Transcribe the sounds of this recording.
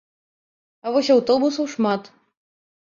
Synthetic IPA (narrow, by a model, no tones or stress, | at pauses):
ɐvɔsʲawt̪ɔbusɐwʂmat̪